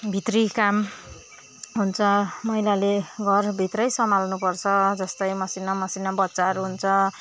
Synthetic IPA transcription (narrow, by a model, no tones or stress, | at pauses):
bʱit̪rikam | ɦunt͡sʰʌmʌilaleɡʱʌrbʱit̪rʌjsʌmalnupʌrt͡sʰʌd͡zʌst̪ʌjmʌsinːamʌsinːabʌtːsaɦʌɾuɦunt͡sʰʌ